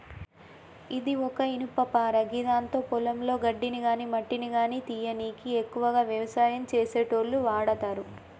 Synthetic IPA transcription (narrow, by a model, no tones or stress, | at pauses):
id̪iɔkɐinupːɐpaːɾɐɡid̪aːnt̪o̞ːpɔlɐmlo̞ːɡɐɖːiniɡaːnimɐʈːiniɡaːniːt̪ijɐniːkiekːuʋɐɡaːʋjɐʋɐsaːjɐmt͡ʃeːse̞ːʈoːɾluʋaːɽɐt̪aːɾu